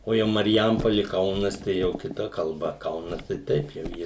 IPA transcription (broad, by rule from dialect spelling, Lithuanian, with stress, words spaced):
oː ˈjɛʊ mɐrʲˈjɛmpoːlʲɪ ˈkɐʊnɐs tɐɪ ˈjɛʊ kʲɪˈtɐ kɐlˠˈbɐ ˈkɐʊnɐs tɐɪ ˈtɐɪp jɛʊ ˈjiɛ